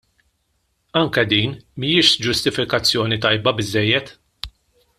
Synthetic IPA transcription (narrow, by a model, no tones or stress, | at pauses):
ɐŋkɛd̪iːnmijɪʃd͡ʒʊst̪ɪfɪkɐt͡sːjɔːnit̪ɐjbɐbɪzːɛjːɛt̪